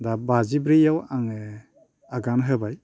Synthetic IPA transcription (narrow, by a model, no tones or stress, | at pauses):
dabazibɾijawaŋ | aɡanɦɯbaj